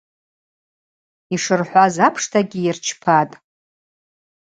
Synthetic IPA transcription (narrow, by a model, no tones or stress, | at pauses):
iʂɨrħʷazapʰʂtʰaɡʲiɪrt͡ʃʰpʰatʼ